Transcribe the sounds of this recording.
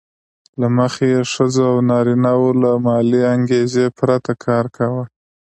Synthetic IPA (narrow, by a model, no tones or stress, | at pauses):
laməxejeʂəzoawnɑɾinawolamɑliaŋɡezepɾat̪akʰɑɾkʰawə